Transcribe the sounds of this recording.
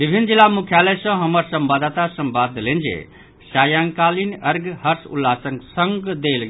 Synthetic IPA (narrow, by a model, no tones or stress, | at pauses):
bibʱinːd͡ʒilːamukʰjaləjsʌ̃ɦəməɾsəmbad̪at̪asəmbad̪ʱːlend͡ʒḛ | sajaŋkalinəɾɡɦəɾsṵlːasəŋɡsəŋɡd̪elɡ